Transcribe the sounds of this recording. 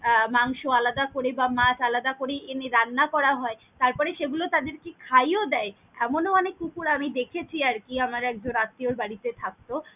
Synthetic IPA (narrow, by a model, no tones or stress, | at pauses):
maŋʃoalad̪akoɾebamat͡ɕalad̪akoɾeʔeneɾanːakɔɾaɦɔe | t̪aɾpɔɾeʃeɡulot̪ad̪eɾkekʰajod̪ɛe | ɛmonoɔnekːukuɾamid̪ekʰet͡ɕʰiaɾkiamaɾɛkd͡ʑonat̪ːioɾbaɽit̪et̪ʰak̚t̪o